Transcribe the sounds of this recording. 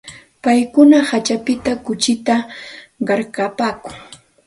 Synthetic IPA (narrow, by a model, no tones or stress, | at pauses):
pajkʊnahat͡ʃapɪt̪akʊt͡ʃɪt̪aɢɑɾkapaːkʊŋ